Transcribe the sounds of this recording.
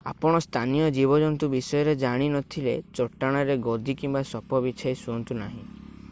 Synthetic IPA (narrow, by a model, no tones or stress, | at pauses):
a̰pɔɽ̃ɔst̪ʰanijɔd͡ʒibɔd͡ʒɔnt̪ubisɔjɔɾed͡ʒaɽ̃inɔt̪ʰilet͡ʃɔʈːaɽ̃aɾeɡod̪ikimbasɔpʰɔbit͡ʃʰajsuɔnt̪unaɦḭ̃